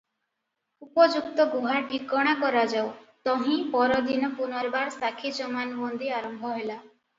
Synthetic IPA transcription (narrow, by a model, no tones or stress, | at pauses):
upɔd͡ʒuk̚t̪ɔɡuɦaʈikɔɽ̃akɔɾad͡ʒawt̪ɔɦĩpɔɾɔd̪inɔpunɔɾbaɾsakʰid͡ʒɔmanbɔnd̪iaɾɔmbʱɔɦela